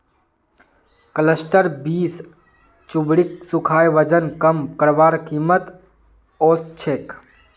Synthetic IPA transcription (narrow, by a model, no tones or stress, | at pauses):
kələsʈəɾbiːs | t͡ʃʊbɽiksukʰaːjʋəd͡ʒənkəmkəɾbaːɾkiːmət̪ | oːst͡ʃʰeːk